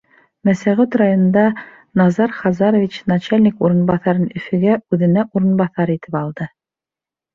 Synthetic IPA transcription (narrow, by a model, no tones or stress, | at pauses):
mæsæʁʉt̪rajonɤ̆nd̪ɑ | nɑzɑɾχɑzɑɾovʲit͡ɕnɑt͡ɕalʲnʲikuɾɤ̆nbɑθɑɾɤnɵ̆fɘ̆ɡæʉðɘ̆næʔuɾɤ̆nbɑθɑɾit̪ɘpɑlˠd̪ɤ